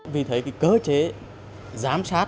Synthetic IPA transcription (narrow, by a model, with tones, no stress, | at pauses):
vi˨˩t̪ʰe˨˦jki˨˦kəː˨˦t͡ɕe˨˦ | zaː˨˦msaː˦˥